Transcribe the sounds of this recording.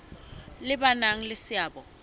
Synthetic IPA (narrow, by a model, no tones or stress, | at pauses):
lɪbanaŋ̩lɪsɪaːbɔ